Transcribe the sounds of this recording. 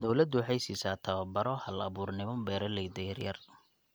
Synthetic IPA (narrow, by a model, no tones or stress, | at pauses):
d̪ɔwlɐd̪ʊwħɑjsiːsaːt̪ʰɐβɐbɐɾɔhɐlɐβuːrnɪmɔbɛːɾɛlɛjd̪ɛjɐrjɐr